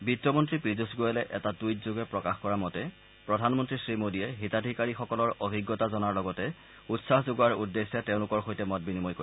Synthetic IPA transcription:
bitːɔmɔntɹipɹizusɡojɛlɛʔɛtatujtzoɡɛpɹɔkaxkɔɹamɔtɛ | pɹɔdʱanmɔntɹisɹimodiɛɦitadʱikaɹixɔkɔlɔɹobʱiɡːɔtazɔnaɹlɔɡɔtɛ | utsaxzoɡaɹudːesːjateʊ̃lʊkɔɹxojtɛmɔt̚binimɔjkoi

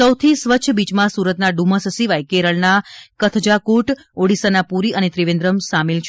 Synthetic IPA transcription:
səwt̪ʰisʋəːt͡ʃʰəbid͡ʒmãsuɾət̪naɖuməsəsiʋajkeɾəɭnakət̪ʰd͡ʒakuʈ | oɽisanapuɾiənet̪ɾiʋẽnd̪ɾəmsamelt͡ʃʰ

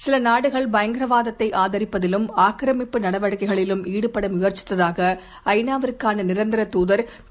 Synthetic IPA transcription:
sɪlɐnaːɽɯɣɐɭbɐjɐŋɡɪɾɐʋaːðɐt̪ːɐɪʔaːðɐɾɪpːɐðɪlɯmaːkɾɐmɪpːɯnɐɽɐʋɐɽɯkːɐɪɣɐɭɪlɯmʔiːɽɯpːɐɽɐmʊɣɐɾt͡ʃːɪ̥t̪ːɐðaːɣɐ | ɐɪnaːʋɐɾkːaːnɐnɪɾɐnd̪ɪɾɐt̪uːðɐɾ

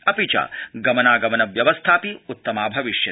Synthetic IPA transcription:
ɐpit͡ʃa̰ːɡɐmɐnaːɡɐmɐnɐʋjɐʋɐst̪ʰaːpiut̪ːɐmaːbʱɐʋiʃjɐ

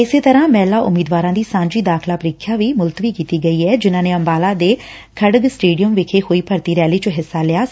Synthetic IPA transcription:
ɪseːt̪əɾãːmɛ̃ːlaːʔʊ̰miːd̪ʋaːɾãːd̪iːsãːɲd͡ʒiːd̪aːkʰlaːpəɾɪkʰːjaːʋiːmʊlt̪əʋiːkiːt̪iːɡəiːɛːd͡ʒɪnãːneːəmbaːlaːd̪eː | kʰəɽəɡsʈeːɖijəmʋɪkʰeːhoːiːpəɾt̪iːɾɛːliːt͡ʃəɦɪsːaːlɪjaː

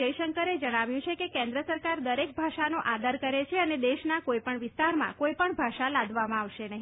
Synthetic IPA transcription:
əjʃəŋkəɾed͡ʒəɽ̃aʋjũt͡ʃʰekekẽnd̪ɾəsəɾkaɾd̪əɾek̚bʱaʃanoʔad̪əɾkəɾet͡ʃʰeəned̪eʃnakoipəɳʋɪst̪aɾmã̰kojpəɳbʱaʃalad̪ʋamãaʋʃenəɦi

